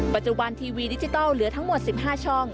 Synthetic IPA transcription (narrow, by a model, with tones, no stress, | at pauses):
pa˨˩t̪̚t͡ɕu˨˩ba˧nt̪ʰiː˧wiː˧di˦˥t͡ɕi˧t̪ɔː˥˩wlɯ˨˩˦ɐt̪ʰa˦˥ŋmo˨˩t̪̚si˨˩p̚ɦaː˥˩t͡ɕʰɔ˥˩ŋ